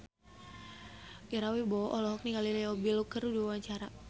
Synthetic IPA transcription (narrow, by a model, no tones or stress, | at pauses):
ɡ̥ɛɾawibɔʔɔlɔɦɔk̚niŋaliliɔbilukərudiawaɲt͡ʃaɾa